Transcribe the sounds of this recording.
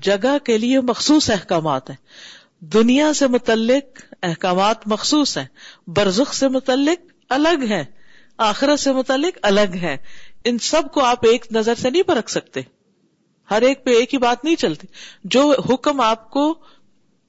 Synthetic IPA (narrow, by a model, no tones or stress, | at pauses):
d͡ʒɐɡakeliemɐxsuːsɛɦkaːmaːt̪ɦɛ̃ː | d̪ʊnijasemʊt̪əlːɪq̚ɛɦkaːmaːt̪mɐxsuːsɦɛ̃ːbɐɾzəxsemʊt̪əlːɪq̚ | ɐləɡɦɛ̃ː | aːxɪɾət̪semʊt̪əlːɪqɐləɡɦɛ̃ːɪnsɐb̚koaːpeːknɐzəɾsenɐɦĩpɐɾɐkʰsɐk̚t̪e | hɐɾeːk̚peːkːibaːt̪nɐɦĩt͡ʃɐlt̪id͡ʒoːɦʊkmaːp̚ko